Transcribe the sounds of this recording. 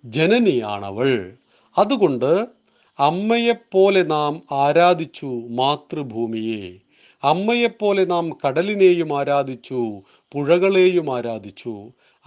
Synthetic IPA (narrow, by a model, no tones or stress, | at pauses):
d͡ʑenɐnija̰ːɳɐ̰ʋɐɭ | ɐðuɣo̞ɳɖɨ | ɐmːɐjepːo̞ːle̞naːmaːɾaːd̪ʱit͡ɕːumaːt̪rɨbʱuːmijeː | ɐmːɐjepːo̞ːle̞naːmkɐɽɐline̞ːjumaːɾaːd̪ʱit͡ɕːu | puɻɐɣɐɭe̞ːjumaːɾaːd̪ʱit͡ɕːu